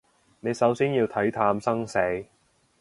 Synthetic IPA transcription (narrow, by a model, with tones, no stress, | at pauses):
ne˨˧jsɐ˨˥wsiː˥njiː˧wt̪ʰɐ˨˥jt̪ʰaː˧msɐ˥ŋse˨˧˥j